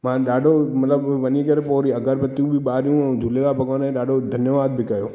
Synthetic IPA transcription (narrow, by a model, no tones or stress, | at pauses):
mãɗaːɖomɐt̪ləbʋɐnikəɾepoːɾiɐɡəɾbət̪ːjũbʱiɓaːɾjũd͡ʒʱulelabʱəɡʋaːnẽɗaːɖod̪ʱɐnjəʋaːd̪̚bʱikɐjoː